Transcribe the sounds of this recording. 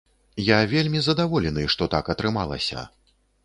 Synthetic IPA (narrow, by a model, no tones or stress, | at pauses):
javʲelʲmʲizɐd̪avɔlʲɛnɨʂt̪ɔt̪akɐt̪ɾɨmalˠɐ̰sʲɐ̰